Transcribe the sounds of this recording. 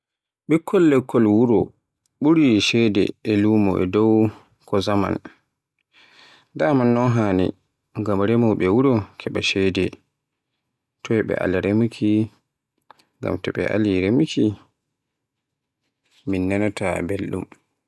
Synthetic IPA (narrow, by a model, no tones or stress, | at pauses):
ɓɛkʰːɔlːɛkʰːɔlwuɾɔ | ɓuɾiʃɛdɛ̰ːluːmɔ̰ʔɛ̰dɔw | kɔzama̰n | damanːɔnɦaːnḭ | ɡamɾɛmɔɓɛwuɾɔkʰɛɓaʃɛdɛ | tɔwɛɓɛ̰ʔa̰liɾemikʰi | ŋɡa̰mtɛɓɛ̰ʔa̰liɾemikʰi | minːanatabelɗṵm